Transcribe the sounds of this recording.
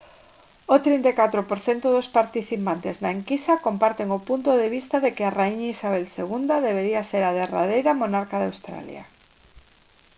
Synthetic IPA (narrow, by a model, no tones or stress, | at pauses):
ot̪ɾint̪ekat̪ɾopoɾθɛnt̪ʊðʊspaɾt̪iθipant̪eznaeŋkisakompaɾt̪eŋʊpunt̪oðeβ̞ist̪aðekɪaraiɲisaβ̞ɛlseɣund̪aðeβeɾiaseɾaðera̰ðejɾamonaɾkaðawst̪ɾa̰lja̰